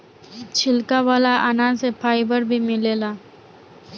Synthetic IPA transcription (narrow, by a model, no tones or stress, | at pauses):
t͡ɕʰilkaʋəlaʔənãsepʰajbəɾbʱiːmilela